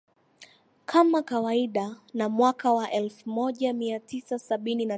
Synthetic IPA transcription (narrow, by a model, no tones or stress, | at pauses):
kʰamakawaiɗanamwakawaʔɛlfumɔʄamiatʰisasaɓinina